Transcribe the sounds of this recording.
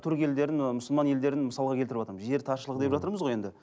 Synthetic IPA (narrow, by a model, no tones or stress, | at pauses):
t̪ʰʊɾkʲe̞ld̪e̞ɾɪnmʊsəlˠmɑnje̞ld̪e̞ɾɪnməsɑlˠəʁɑkʲʰet̪ɪɾɪpwɑt̪əɾməzʒe̞ɾt̪ʰɑʃəlˠəʁd̪epʒɑt̪əɾməzʁoje̞nd̪ɪ